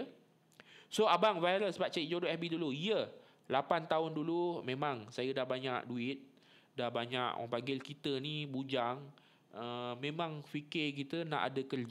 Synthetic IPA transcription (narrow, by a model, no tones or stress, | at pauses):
soabaŋvajɾəsbat͡ʃaiʔ̚d͡ʒodoɛbiduluijə | lapant̪aʊndulumẽmãŋsajədahbaɲaʔduɪt̪̚ | dahbaɲa̰ʔwa̰ŋpaŋɡɪlkit̪ənibud͡ʒaŋ | əmẽmãŋfikɪk̬it̪əna̰ʔa̰dəkərd͡ʒ